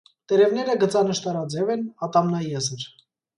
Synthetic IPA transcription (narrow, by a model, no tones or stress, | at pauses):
t̪ɛɾɛvnɛɾəɡət͡sɑnəʃt̪ɑɾɑd͡zɛvɛnɑt̪ɑmnɑjɛzəɾ